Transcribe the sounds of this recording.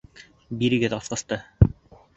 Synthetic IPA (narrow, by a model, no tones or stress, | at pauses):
biɾɘ̆ɡɘðɑsqɑ̆st̪ɤ